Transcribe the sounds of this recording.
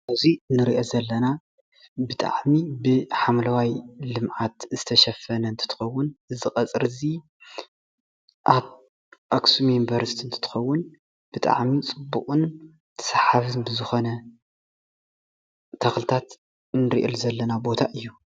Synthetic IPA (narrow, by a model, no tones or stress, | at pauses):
ʔɨzinɨɾiʔozɐlːɐna | bɨt̪ʼa̰ʕmibɨħamlɐwajlɨmʕat̪zɨt̪ʰɐʃɐfɐnɐɨnt̪ʰɨ̥t̪ʰɨ̥xɐwːʊnɨzɨxʼɐt͡sʼɨɾɨzi | ʔaβ | ʔaksumjunvɐɾst̪ʰiɨnt̪ʰɨ̥t̪ʰɨ̥xɐwːʊn | b̥ɨt̪ʼa̰ʕmit͡sʼɨbːukʼun | t̪ʰɐ̥sħaβɨnbɨzɨxo̞nɐ | t̪ʰɐxlɨt̪ʰat̪ | nɨɾḭʔɨ̰lzɐlːɐnabo̞t̪ʰaʔɨjːu